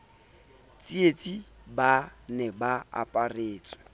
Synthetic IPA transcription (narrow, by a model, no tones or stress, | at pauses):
t͡sʼiet͡sʼibanɛbaa̰pʼareːt͡sʼwɛ̥